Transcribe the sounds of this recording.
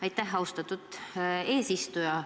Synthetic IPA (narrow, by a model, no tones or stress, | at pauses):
ɑjt̪ːˑæɦɑwst̪ɑt̪ːut̪ˑe̞ːsist̪ujɑ